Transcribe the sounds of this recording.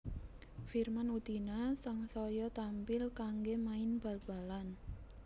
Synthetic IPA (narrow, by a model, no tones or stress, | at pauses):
firmanud̪̥i̤nasaŋsɔjɔt̪ampɪlkaŋɡemaɪnb̥a̤lb̥a̤lan